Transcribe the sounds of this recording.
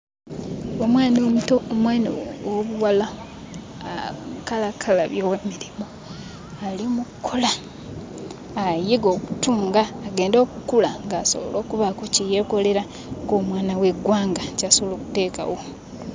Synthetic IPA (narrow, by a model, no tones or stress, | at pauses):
omwaːnomutoomwaːniwoβuwala | kalakʰalaβjoːwemiɾimo | aliomukkʰːola | jiɡo̞ːku̥tuːŋɡaːɡe̞ːndo̞ːkukulaŋɡaːso̞̰βo̰lo̞ːkuβakocije̞ko̞le̞ɾa | koːmwaːnawe̞ɡwaːŋɡacasoloːkute̞ːka̰wo̞